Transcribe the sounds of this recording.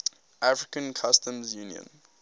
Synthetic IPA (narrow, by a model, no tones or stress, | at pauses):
ʔafɹikə̃nkʰʌstə̃mzjuːniə̰̃n